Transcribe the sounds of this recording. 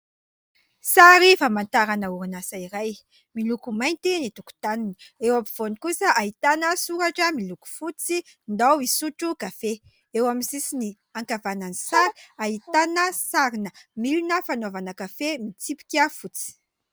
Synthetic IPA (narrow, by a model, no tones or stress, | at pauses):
saɾifamant̪aɾanəuɾinasaiɾaj | milukumajnt̪init̪uku̥t̪aniniewapiv̥onikusəʔaɦit̪anəsuɾaʈ͡ʂəmiluku̥fut͡si | nd̪awisuʈ͡ʂukafe | ewaminsisini | aŋkavananisaɾi̥aɦit̪anəsaɾinəmilunəfanovanəkafemit͡sipi̥kʲəfut͡si̥